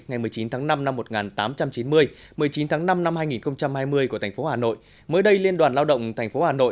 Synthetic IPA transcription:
ŋa˨˩jmɨ˨˩əjt͡ɕi˨˦nt̪ʰaː˨˦ŋna˧mna˧mːo˨˩t̚ŋaː˨˩nt̪aː˨˦mt͡ɕa˧mt͡ɕi˨˦nmɨ˧əj | mɨ˨˩əjt͡ɕi˨˦nt̪ʰaː˨˦ŋna˧mna˧mhaː˧jŋi˨˩nxə˧wŋ͡mt͡ɕa˧mhaː˧jmɨ˧əjku˧˩t̪ʰŋ̟fo˨˦haː˨˩no̰˧˨j | məː˨˦jɗə˧jli˧ənɗwaː˨˩nlaː˧wɗə̰˧˨wŋ͡mt̪ʰɛ˨˩jŋ̟fo˨˦haː˨˩no̰˧˨

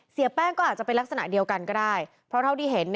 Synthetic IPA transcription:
si˩˦ɐpɛː˥˩ŋkɔː˥˩ʔaː˨˩t͡ɕa˨˩pe˧nla˦˥k̚sa˧na̰˨˩di˧əwka˧nkɔː˥˩daː˥˩j | pʰɾɔ˦˥t̪ʰa˥˩wt̪ʰiː˥˩ɦe˩˦n

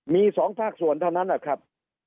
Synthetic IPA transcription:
miː˧sɔː˩˦ŋpʰaː˥˩k̚su˨˩ənt̪ʰa˥˩wna˦˥nʔa˨˩kʰɾa˦˥p̚

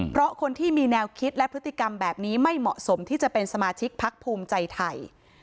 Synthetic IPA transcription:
pʰɾɔ˦˥kʰo˧nt̪ʰiː˥˩miː˧nɛː˧wkʰi˦˥t̪̚lɛ˦˥pʰɾɯ˦˥t̪ːi˨ka˧mbɛː˨˩p̚niː˦˥ma˥˩jmɔ̰˨˩ʔso˩˦mt̪ʰiː˥˩t͡ɕa˨˩pe˧nsa˧maː˧t͡ɕʰi˦˥k̚pʰa˦˥k̚pʰuː˧mt͡ɕa˧jt̪ʰa˧j

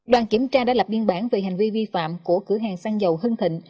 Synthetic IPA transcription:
ɗwaː˨˩nki˧˩˦əmt͡ɕaː˧ɗaː˧˥la˨˩p̚ɓi˧ənɓaː˧˩nve˨˩ɦa˨˩jŋ̟vi˧vi˧fa̰ː˧˨mku˧˩əkɨ˧˥ɦaː˨˩ŋsaː˧ŋzə˨˩wɦɨ˧ŋt̪ʰḭ˧˨ŋ̟

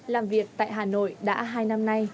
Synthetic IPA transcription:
laː˨˩mvi˨˩ək̚t̪a̰ː˧˨jɦaː˨˩no̰˧˨jɗa̰ː˧˥ɦaː˧jna˧mna˧j

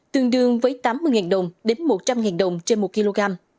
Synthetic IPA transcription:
t̪ɨ˧əŋɗɨ˧əŋvəː˨˦jt̪aː˨˦mːɨ˧əjŋaː˨˩nɗə˨˩wŋ͡mɗe˨˦nmo˨˩t̚t͡ɕa˧mŋaː˨˩nɗə˨˩wŋ͡mt͡ɕe˧nmo˨˩t̚ki˧lo˧ɣaː˧m

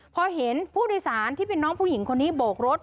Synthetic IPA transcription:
pʰɔ˧ɦe˩˦npʰuː˥˩doː˧jsaː˩˦nt̪ʰiː˥˩pe˧nːɔː˦˥ŋpʰuː˥˩ji˩˦ŋkʰo˧nːiː˦˥boː˨˩k̚ɾo˦˥t̪̚

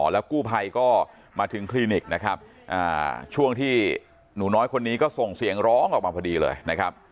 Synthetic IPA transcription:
lɛ˦˥wkuː˥˩pʰa˧jkɔː˥˩ | maː˧t̪ʰɯ˩˦ŋkʰliː˧ni˨˩k̚na˦˥kʰa˦˥p̚ | ʔa̰ː˨˩t͡ɕʰu˥˩əŋt̪ʰiː˥˩ | nuː˩˦nɔː˦˥jkʰo˧nːiː˦˥kɔː˥˩so˨˩ŋsi˨˩˦əŋɾɔː˦˥ŋʔɔː˨˩k̚maː˧˩pʰa˧diː˧lɤ̰ː˧jna˦˥kʰɾa˦˥p̚

